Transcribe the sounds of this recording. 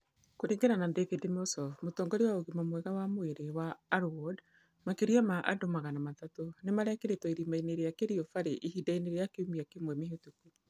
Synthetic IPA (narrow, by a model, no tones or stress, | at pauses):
koɾeːŋɡeɾanandekidimɔsɔfmotɔːŋɡɔɾewaoɣimamwɛɣawamoeɾewaːɾwɔd | makeɾiamaʔa̰domaɣanamatatonemaɾɛkeɾetwɔiɾimaineɾeakeɾiɔfaɾeʔiɦidaineɾeakeumiakemwɛmeɦetuku